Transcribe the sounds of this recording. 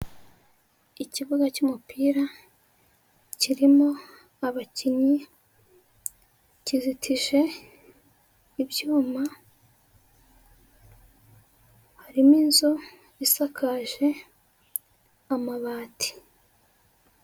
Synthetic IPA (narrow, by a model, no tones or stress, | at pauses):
iciβuɡacumupiːɾa | ciɾimo̞ | aβaciɲi | cizitʰiʒe̞ | bjuːma | haɾimiːnzo | isakʰaʒe̞ | amaβaːti̥